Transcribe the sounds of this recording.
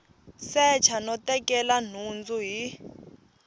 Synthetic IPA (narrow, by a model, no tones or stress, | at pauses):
sɛt͡ʃʰanɔtɛkɛlan̤und͡zuɦi